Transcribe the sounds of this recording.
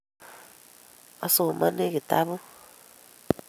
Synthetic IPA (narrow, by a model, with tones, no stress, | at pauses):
o˨soː˨ma˦ne˦ɣi˨ta˦βu˦